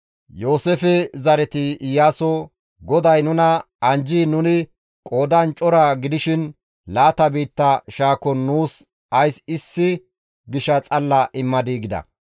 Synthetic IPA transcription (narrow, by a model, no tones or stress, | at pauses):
jo̞ːsefɛzɐɾɛt̪ɪɪjaːsɔ | ɡɔd̪ɐjnʊnɐ | ɐnd͡ʒiːnʊnɪ | kʼo̞ːd̪ɐnt͡ʃʼɔɾaɡɪd̪ɪʃɪn | laːt̪ɐbiːt̪ːɐʃaːkɔnːuːs | ɐjsɪsːɪ | ɡɪʃɐt͡sʼɐlːɐʔɪmːɐd̪iːɡɪd̪ɐ̰